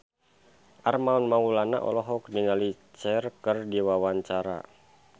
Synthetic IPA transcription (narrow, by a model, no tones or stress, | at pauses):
ʔarmaunmaulana̰ʔɔ̰lɔɦɔk̚diŋali | t͡ʃɛrkɨrdiwawaɲt͡ʃaɾa̰